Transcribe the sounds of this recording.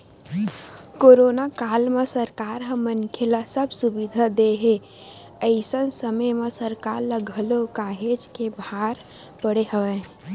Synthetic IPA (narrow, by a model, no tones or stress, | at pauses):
koɾonakalmesəɾkaɾɦə̃mənkʰelasəbʱsubid̪ʱad̪eɦe | əɪsənsəməjmesəɾkaɾləɡʱəlokaɦed͡ʒkebʱaɾ | pəɽeɦəʋe